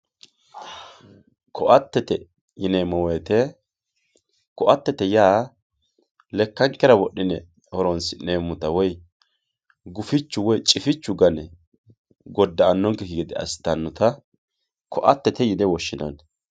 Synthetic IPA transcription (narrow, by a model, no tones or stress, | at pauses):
kʰɔʔɐt̪ːɛt̪ɛ | jɪneːmːɔweːt̪ɛ | kɔʔɐt̪ːɛt̪ɛjaː | lɛkːɐŋkːɛɾɐwɔɗːɪnɛ | hɔɾɔnsɪneːmʊt̪ɐwɔj | ɡʊfɪt͡ʃːʊwɔjt͡ʃʼɪfɪt͡ʃːʊɡɐnɛ | ɡɔd̪ːɐːnːɔŋkɛkɪɡɪd̪ɪɐ̰st̪ːɐnːɔt̪ɐ | kɔʔɐt̪ːɛt̪ɛjɪnɛwɔʃːɪnɔ̰n